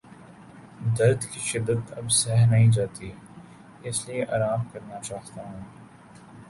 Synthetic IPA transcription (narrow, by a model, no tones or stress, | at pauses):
d̪ɐɾd̪kiʃɪd̪ːət̪ɐbsɛɦnɐɦĩd͡ʒaːt̪iɦɛ | ɪslieʔaːɾaːmkɐɾnat͡ʃaːɦt̪aɦũː